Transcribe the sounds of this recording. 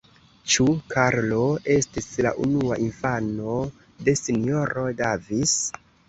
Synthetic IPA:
t͡ʃukʰaɾlo̞e̞stisla̰ʔunuaʔinfano̞ | de̞sinijo̞ɾo̞davis

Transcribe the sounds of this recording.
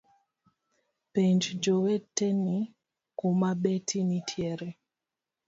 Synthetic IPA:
peɲd͡ʒd͡ʒowetːeni | komaɓetʰinitʰjɛɾe

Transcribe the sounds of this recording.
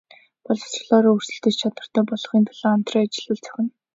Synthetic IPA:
pɔɮɞ̥sr̆ɮɔːɾɔːɵr̥sɘ̆ɬt̪ɘ̆t͡ɕt͡ɕʰat̪wə̆r̥t̪æːpɔɮ̆χiːnt̪ʰaɮ̥aːam̥t̪rɔːat͡ɕɪ̆ɮə̆ɮt͡sʰœ̥xʲɪ̆n

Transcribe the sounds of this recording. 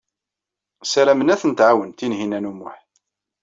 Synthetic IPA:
sæɾæmənæθənt̪ʕawənt̪inɦinænumʊ̰ħ

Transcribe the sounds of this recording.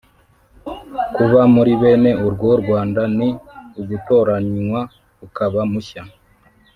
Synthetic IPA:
kuβamuɾiβe̞ːne̞uɾɡwoɾɡwaːndaniuɡutoːɾaɲiwa | ukaβamuça

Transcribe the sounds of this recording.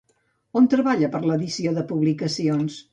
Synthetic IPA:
ont̪ɾəβaʎəpəɾləðisioðəpuβlikəsions

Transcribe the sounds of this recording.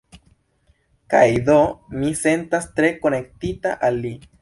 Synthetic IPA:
kajd̪omise̞nt̪ast̪ɾe̞ko̞ne̞k̚t̪ita̰ʔalːi

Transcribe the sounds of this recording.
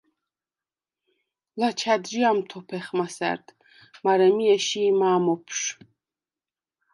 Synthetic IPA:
lat͡ʃʰad̪ɾiamt̪ʰɔpʰɛχmasɛ̰ɾd̪ | maɾɛmiɛʃiːmaːmɔpʰʃ

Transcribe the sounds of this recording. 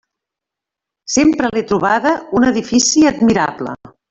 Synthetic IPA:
sempɾəlet̪ɾuβ̞aðəunəðifisiəd̪miɾa̰blə̰

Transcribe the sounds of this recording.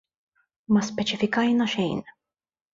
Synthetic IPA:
mɐspɛt͡ʃɪfɪkɐjnɐʃɛjn

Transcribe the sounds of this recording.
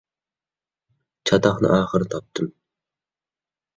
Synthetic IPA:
t͡ʃʰɑt̪ɑχnɨ̰ʔɑːχəɾɨt̪ʰɑp̚t̪ʰɨm

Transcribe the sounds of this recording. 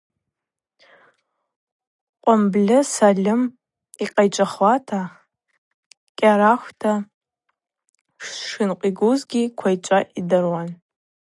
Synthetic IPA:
qʷʼamblʲɪsalʲɪm | iqʼajt͡ʃʼaχwatʰa | kʲʼaɾaxʷtʰa | ʂʂɨnqʷʼiɡuzɡʲikʷʰajt͡ʃʷʼaʔidɨrwan

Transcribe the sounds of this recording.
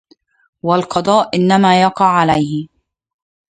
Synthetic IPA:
walqɑd̪ˤɑːʔʔɪnːamaːjɑqɑʕʕalajhɪ

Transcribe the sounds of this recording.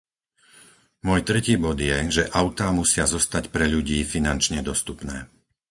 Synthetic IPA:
mʊɔjt̪ɾɛciːbɔd̪jɛʒɛʔaʊt̪amusɪazɔst̪acpɾɛʎuɟiːfinant͡ʃɲɛd̪ɔst̪upnɛː

